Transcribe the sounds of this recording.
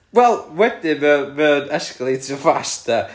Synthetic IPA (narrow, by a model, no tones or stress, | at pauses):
wɛlˠwɛdɪmɛmɛwnəsklˠitʰəfasta